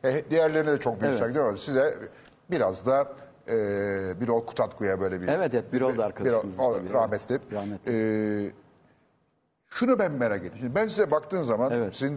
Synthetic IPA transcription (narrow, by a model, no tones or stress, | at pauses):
hɛd̪ijæɾlʲe̞ɾinid̪ɛt͡ʃʰok̚bysad̪ijɾd̪sizɛ | biɾazd̪a | ɯːbiɾolˠkʰu̥t̪ʰat̪kujabø̞jlʲebiɛvɛɛbiɾoaɾkʰabiɾooɾahmɛt̪ʰlʲimɾamɛɛː | ʃunubænmeɾaɟelʲimʃʰind̪ibæns̬izɛbakt̪ɯːnzamanvsin